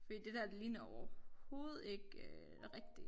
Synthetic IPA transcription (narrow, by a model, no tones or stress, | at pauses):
fɒd̥ḭːd̥e̝d̥æɐd̥eliːnɐɒʊɐho̝ːð̞̩ˠe̝ɡ̥ø | ʁɛɡ̥̚d̥i